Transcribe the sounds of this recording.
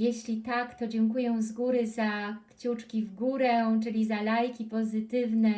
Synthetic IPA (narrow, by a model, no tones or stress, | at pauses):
jeɕlʲit̪akt̪ɔd͡ʑɛŋkujɛ̃w̃zɡuɾɘzakt͡ɕut͡ʂkʲivɡuɾɛt͡ʂɘlʲizalajkʲipɔzɘt̪ɘvnɛ